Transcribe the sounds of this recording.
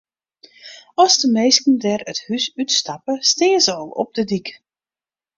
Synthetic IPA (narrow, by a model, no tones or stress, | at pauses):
ɔsdəmejskən̩dɛrəthysytstapəstɪːəzəɔlˠɔ̰p̚dədik